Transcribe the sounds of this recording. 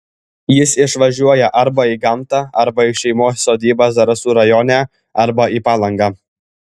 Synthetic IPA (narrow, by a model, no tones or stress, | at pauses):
jɪsɪʃʋɐʒʲuɔjɛʔɐɾbɐiɡɐmˑt̪ɑɐɾbɐɪʃʲɛɪmoːsːoːd̪ʲiːbɑsd̪ɐɾɐsuːɾɐjɔːnʲæː | ɐɾbɐiːpɑːlˠɐŋɡɑː